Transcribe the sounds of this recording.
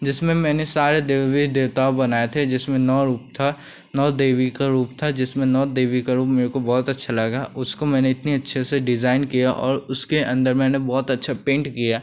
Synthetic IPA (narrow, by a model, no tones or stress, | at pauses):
d͡ʒɪsmẽmɛ̃ːnesaːɾed̪eːʋid̪eːʋt̪aobɐnaːjet̪ʰed͡ʒɪsmẽnɔːɾuːp̚t̪ʰa | nɔːd̪eːʋikaɾuːpt̪ʰad͡ʒɪsmẽnɔːd̪eːʋikaɾuːpmeːɾekobɔːt̪ɐtːʃʰalɐɡaʊskomɛ̃ːneɪt̪niɐtːʃʰeseɖɪzaːɪnkijaʔɔ̰ːɾʊskeʔɐ̃nd̪əɾmɛ̃ːnebɔːt̪ɐtːʃʰapẽːɳʈkijaː